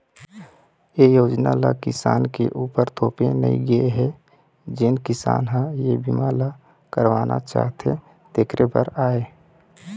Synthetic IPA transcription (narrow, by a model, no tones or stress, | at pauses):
ejoːd͡ʒnala̰kɪsa̰ːnkeʔuːpəɾt̪ʰoːpenə̰ḭ̃ɡəeɦɛ | d͡ʒɪnkɪsa̰ːnɦə̃jebimaːla | kəɾʋaːnʔa̰t͡ʃa̰ːɦt̪ʰe | t̪eːkɾebəɾaːe